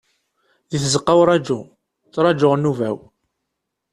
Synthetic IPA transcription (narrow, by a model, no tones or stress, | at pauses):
ðiθzəqːawɾˤɑd͡ʒu | t͡sːɾˤɑd͡ʒoʁnːuvæw